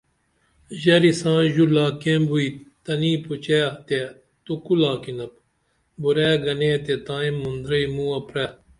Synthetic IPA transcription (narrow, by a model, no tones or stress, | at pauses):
ʑɐɾisãːʑulaːkẽmbuit̪ɐniːput͡ɕeːɐt̪e | t̪ukulaːkinɐp̚ | buɾɛːɡɐneːt̪et̪ãːĩmːund̪ɾɐimũːɐpɾɛː